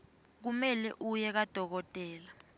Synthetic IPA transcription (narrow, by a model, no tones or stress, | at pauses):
k̬umɛlɛʔujɛk̬ad̥ʱɔk̬ɔtʼɛːla